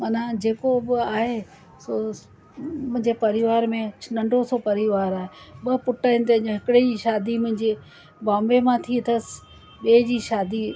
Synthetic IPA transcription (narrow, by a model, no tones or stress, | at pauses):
mɐnãd͡ʑeːkoɓɪaːɦe | so | mʊ̃ɦɪ̃ɲd͡ʑepɐɾɪʋaːɾmẽt͡ʃʰnɐ̃ɳɖʱosopɐɾɪʋaːɾaːɦeɓɐpʊʈaːɪnɪt̪ɐ̃ːɲõɦɪkɪɽed͡ʑiːʃaːd̪imʊ̃ɦɪ̃ɲd͡ʑe | bãːmbemãt̪ʰit̪ʰəs | ɓeːd͡ʑiːʃaːd̪i